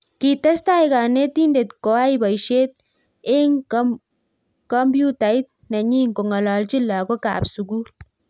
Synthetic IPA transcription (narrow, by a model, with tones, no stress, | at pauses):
ki˨t̪ɐ˦st̪a˦jɡa˨ne˦t̪i˦nde˨t̪ko˨a˦iba˨jʃe˦t̪̚ | ɪ˦ŋ | kɔ˦mbju˦t̪a˨i˦t̪̚ | na˨ɲi˦ŋko˨ŋɐ˨la˨lt͡ʃi˦la˨ɡo˦ka̰ː˨bsu˨ɡuː˦l